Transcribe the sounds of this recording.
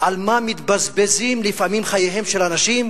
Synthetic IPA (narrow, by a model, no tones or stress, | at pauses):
ʔalmamit̪bazbezimlifamimχajeɦe̞mʃelanaʃim